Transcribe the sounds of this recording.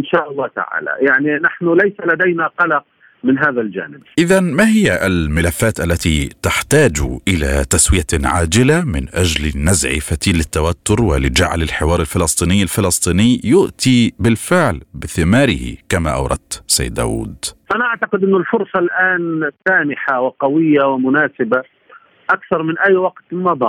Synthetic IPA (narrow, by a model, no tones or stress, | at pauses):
ɪnʃaːʔɑlˤːɑːt̪a̰ʕa̰ːla̰jaʕninaħnʊlajsalad̪ajnaqɑlɑq̚ | mɪnɦaːðald͡ʒa̰ːnɪb̚ʔɪðanmahɪjːaʔɪlmɪlafːaːt̪ʔalːat̪it̪aħt̪aːd͡ʒʔɪla̰t̪aswɪjaʕaːd͡ʒɪlamɪnʔad͡ʒlɪnazʕḭfat̪iːlːɪt̪ːawat̪ːʊɾwɪ̰lɪd͡ʒa̰ʕlɪlħɪwɑːɾˤɪlfɪlɑsˤt̪ˤiːnɪjːalfɪlɑsˤt̪ˤiːnɪjjʊʔt̪ibɪlfɪʕlbɪθɪmaːɾɪ̰hɪ̰kamaʔɑ̰wɾˤɑ̰d̪̚t̪sa̰j̰ːd̪ːa̰ːwṵːd̪ʔanaʔaʕt̪ɑqɪd̪ʔɪnːʊlfʊɾsˤɑlʔaːnsaːmɪħawɪqɑwɪjːawɪmʊnaːsɪba | ʔakθɑɾˤmɪnʔajːwɑɡt̪mɑb̪ˤɑː